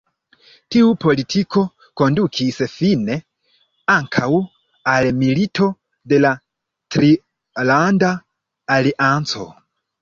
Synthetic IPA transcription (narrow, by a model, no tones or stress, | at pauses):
tiupo̞litʰiko̞ | ko̞ndukʰisfine̞ | aŋkʰaw | almilitʰo̞ | de̞la | tɾi | landaː | liʔant͡so̞̰